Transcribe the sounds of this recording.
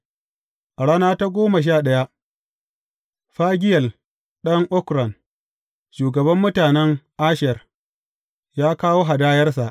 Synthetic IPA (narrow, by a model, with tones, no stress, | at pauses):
ʔa˨ɽaː˦naː˦ta˦ɡʷoː˦ma˨ʃ̬aː˦˨ɗɐ˦ja˦ʔ | ɸaː˦ɡʲɪ˦jɐ˨l | ɗɐ˦ŋʔʊ˦kɾɐ˨n | ʃuː˨ɡɐ˨bɐ˦mːʊ˦taː˨nɛ˦ŋʔa˦ʃɛ˨r | jaː˦kaː˦woː˦ɦa˨daː˦jɐ˦rs̬a˨ʔ